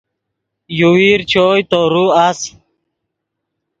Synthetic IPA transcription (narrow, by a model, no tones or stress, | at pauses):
juwiːɾt͡ɕʰoːjt̪oɾuas